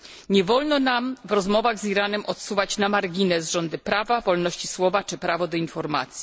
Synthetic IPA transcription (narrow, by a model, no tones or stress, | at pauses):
ɲɛvɔlnɔnamvɾɔzmɔvaɣziɾanɛmʔɔt̪suvat͡ɕnamaɾɡʲinɛzʐɔnd̪ɘpɾavavɔlnɔɕt͡ɕiswɔvat͡ʂɘpɾavɔd̪ɔinfɔɾma̰t̪sʲi